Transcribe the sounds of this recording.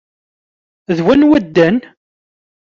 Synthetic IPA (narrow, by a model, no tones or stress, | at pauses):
ðwænwæd̪ːən